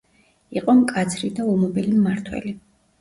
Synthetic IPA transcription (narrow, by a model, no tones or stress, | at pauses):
iqʼɔmkʼad̪zʰɾid̪aumɔbɛlimːaɾt̪ʰwɛ̰li